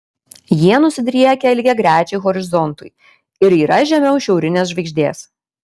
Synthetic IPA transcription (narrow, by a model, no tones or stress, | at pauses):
jiɛnʊsʲɪd̪ʲɾʲiɛɛkʲɛɪlʲɡʲɛɡɾʲæːt͡ʃʲɛɪɣɔɾʲɪzɔnt̪ʊj | ɪɾiːɾɐʒʲɛmʲɛʊʃʲɛʊɾʲɪnʲeːsʒʋɐɪɡʒʲd̪ʲeːs